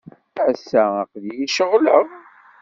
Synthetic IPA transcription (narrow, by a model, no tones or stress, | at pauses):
æsːææqðjiʃəʁləʁ